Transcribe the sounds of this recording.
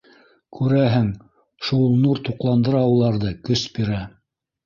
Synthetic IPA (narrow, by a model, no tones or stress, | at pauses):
kʰʉɾæɦɘŋ | ʃulˠnuɾt̪uqlˠɑnd̪ɤ̆ɾɑulˠɑɾðɤkɵsbiɾæ